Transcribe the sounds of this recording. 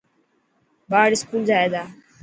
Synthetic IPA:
baːɽɪskuːld͡ʒaːeːd̪aː

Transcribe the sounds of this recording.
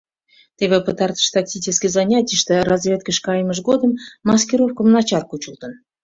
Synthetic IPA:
t̪eβʲepət̪ɑrt̪ə̥ʃt̪ɑktʲit͡ɕɪskʲijzɑnʲatʲijəʃt̪erɑzvʲet̪̚kəʂkɑjməʒɡod̪əmːɑskʲiɾofkəmnɑt͡ɕɑrkut͡ɕəlt̪ən

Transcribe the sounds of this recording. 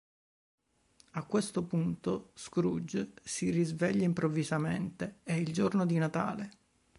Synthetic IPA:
akːwest̪opunt̪oskɾud͡ʒsirizvɛʎːaimpɾovːizament̪eɛild͡ʒornod̪inat̪a̰ːle

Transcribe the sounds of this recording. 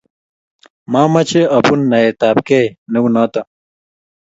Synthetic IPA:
maːmɐt͡ɕʰeɐpunːɐet̪aːpkeneunaːt̪ɐ

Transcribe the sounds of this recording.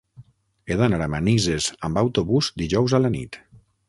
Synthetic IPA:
eðanaɾamanizezambawt̪oβuzd̪iʒɔwzalanḭt̪

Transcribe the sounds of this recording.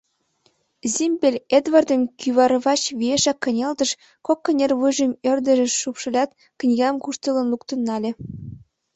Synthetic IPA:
zʲimʲbʲelʲed̪vɑrd̪ɤ̆mkyβɑɾɤ̆βɑt͡ɕβʲieʃɑkːɤ̆nʲeld̪ɤ̆ʃ | kokːɤ̆nʲervɯʒə̆mĕrd̪ə̆ʒĕʃupʃɤ̆lʲɑt̪ | knʲiɣɑmkuʃt̪ələ̆nlukt̪ɤ̆nːɑlʲĕ

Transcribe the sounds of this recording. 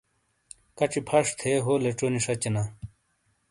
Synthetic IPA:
kɐʈ͡ʂipʰɐʂt̪ʰeɦoːleʈ͡ʂoniʂɐt͡ɕɐna

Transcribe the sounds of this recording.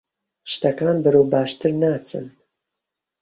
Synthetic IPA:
ʃt̪ɐkaːnbɨɾoːwbaːʃt̪ɨɾnaːt͡sʰɨ̰n

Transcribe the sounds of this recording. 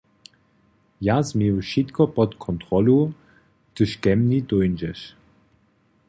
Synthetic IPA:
jazmiʃitkʰɔpɔtkʰɔntʁ̥ɔlo | tʰəʃɡ̥ɛmnidɔɪnd͡ʒɛʃ

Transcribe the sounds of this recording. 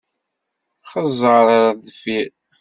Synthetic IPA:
χəzˤəɾaɾaðfi

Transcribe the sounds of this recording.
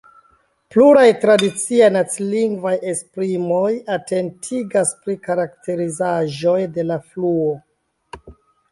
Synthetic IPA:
pluɾajtɾadit͡siajnat͡siliŋɡvaje̞spɾimo̞jate̞ntʰiɡaspɾikaɾaktʰe̞ɾizaʒo̞jde̞lafluo

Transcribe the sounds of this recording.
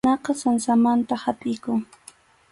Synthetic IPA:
ɑqɑsansamant̪ahapʼɪjkʊŋ

